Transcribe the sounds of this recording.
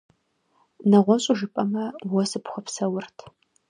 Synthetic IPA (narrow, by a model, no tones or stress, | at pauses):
nɐʁʷɔɕʼʊʒɨpʼɐmɐwɔsɨpχʷɔpsɐwʊrtʰ